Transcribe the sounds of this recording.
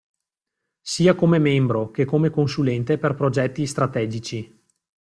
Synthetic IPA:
siːakomemembɾokekːomekonsulɛnt̪eperpɾod͡ʒɛt̪ːist̪ɾat̪ɛːd͡ʒit͡ʃi

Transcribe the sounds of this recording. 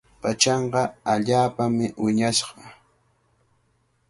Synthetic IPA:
pat͡ʃɑɴqɑaʎaːpamɪwɪɲaʃɢɑ̥

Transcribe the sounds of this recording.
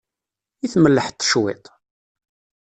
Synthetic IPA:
iθməlːəħt̪ːə̥ʃwḭt̪

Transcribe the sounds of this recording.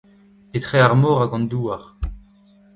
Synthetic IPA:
et̪χeaʁmɔːʁaɡɑ̃nd̪uːaʁ

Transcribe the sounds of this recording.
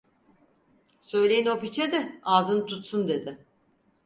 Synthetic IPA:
sø̞jlʲejino̞pit͡ʃʰed̪ɛaːzɯnt̪ʰut̪sund̪e̞d̪ɪ

